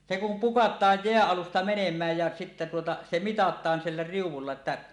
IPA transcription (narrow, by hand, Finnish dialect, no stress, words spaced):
se kum pukɑtˑɑːj jeæʔ ʔɑlustɑ menemˑæːj jæ sitːe tuotɑ se mitɑtˑɑːn silːæ riuwˑulːɑ etːæ